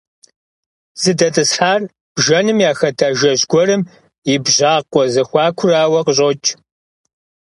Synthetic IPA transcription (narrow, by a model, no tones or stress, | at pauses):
z̥ɨdɐtʼɨsħaːr | b̥ʒɐnɨmjaːxɐtʰaːʒɐʑɡʷɔrɨm | ɪbʑaːqʷʼɔzɐxʷɑːkʷʰʊraːwɐqəɕʼoːt͡ʃʰʼ